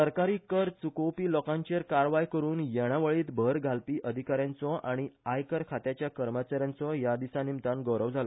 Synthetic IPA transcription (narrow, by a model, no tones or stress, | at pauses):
əɾkaɾiːkəɾt͡sukowpiːlɔkãɲt͡ɕeɾkaɾʋajkəɾuːnjɛɽ̃aʋəɭiːt̪bʱəɾɡʱalpiːʔəd̪ʱikaɾjãnt͡sɔaɽ̃iajkəɾkʰat̪jat͡ɕjakəɾmət͡ɕaɾjãnt͡sɔjad̪isanimt̪ãnɡəwɾəʋd͡zʱalɔ